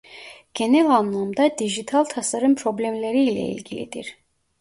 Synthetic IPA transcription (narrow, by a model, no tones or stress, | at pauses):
ɟ̥e̞nælʲɑnlˠɑmd̪ɑd̪iʒit̪ʰalˠt̪ʰasaɾɯmpʰɾo̞blʲemlʲeɾiːlʲɛ̰ḭlʲɟilḭd̪̥ḭɾ̥